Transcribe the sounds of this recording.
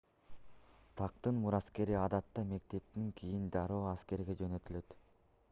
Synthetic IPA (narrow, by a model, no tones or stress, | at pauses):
t̪ʰɑq̚t̪ɯnmuɾɑske̞ɾiɑd̪ɑt̪ːɑme̞k̚t̪e̞p̚t̪iŋkʰʲijind̪ɑɾoːɑske̞ɾɡe̞d͡ʒø̞nø̞t̪ylø̞t̪